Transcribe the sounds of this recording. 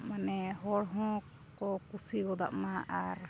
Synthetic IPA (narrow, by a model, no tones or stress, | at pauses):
manɛɦɔɽɦɔ̃ | kɔkusiɡɔd̪a̰ʔmaʔaɾ